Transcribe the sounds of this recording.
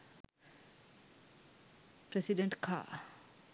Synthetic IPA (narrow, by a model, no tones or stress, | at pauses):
pɾɛsiɖẽɳʈkʰa̰